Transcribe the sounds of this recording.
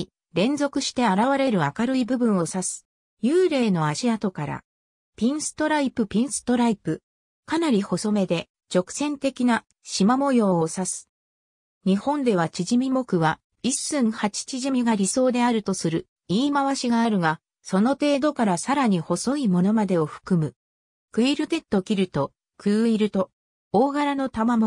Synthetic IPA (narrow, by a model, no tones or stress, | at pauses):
ɾẽ̞nd͡zo̞kɯ̟ɕi̥t̪e̞aɾaβaɾe̞ɾɯ̟akaɾɯ̟ibɯ̟bɯ̟̃ɰ̃o̞sasɨ̥ | jɯːɾe̞ːno̞aɕiat̪o̞kaɾa̰ | pʲĩɰ̃sɨ̥t̪o̞ɾaipɯ̟pʲĩɰ̃sɨ̥t̪o̞ɾaipɯ̟ | kanaɾʲiho̞so̞me̞d̪e̞ | t͡ɕo̞kɯ̥sẽ̞nt̪e̞kʲina | ɕimamo̞jo̞ːosasɨ̥ | ɲ̟ihõ̞nd̪e̞β̞at͡ɕiʑimʲimo̞kɯ̟βa | isɨ̃ɰ̃hat͡ɕi̥t͡ɕiʑimʲiɡaɾʲiso̞ːd̪e̞aɾɯ̟t̪o̞sɨɾɯ̟ | iːmaβaɕiɡaːɾɯ̟ɡa | so̞no̞t̪e̞ːd̪o̞kaɾasaɾaɲ̟iho̞so̞imo̞no̞mad̪e̞o̞ɸɯ̟̥kɯ̟mɯ̟ | kɯ̟iɾɯ̟t̪e̞t̪ːo̞kʲiɾɯ̟t̪o̞ | kʰɯ̟ːiɾɯ̟t̪o̞ | oːɡaɾano̞t̪amamo